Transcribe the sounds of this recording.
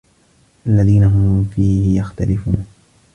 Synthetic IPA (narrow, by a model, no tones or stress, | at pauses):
ʔalːaðiːnaɦʊmfiːhɪjaxt̪alɪfuːn